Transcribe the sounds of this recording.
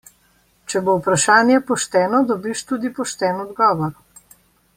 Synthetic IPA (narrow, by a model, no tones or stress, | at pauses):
t͡ʃɛbowpɾaʃaːnjɛpɔʃt̪ɛːnɔd̪ɔbiʃt̪uːd̪ipɔʃt̪ɛːnɔd̪ɡɔːʋɔɾ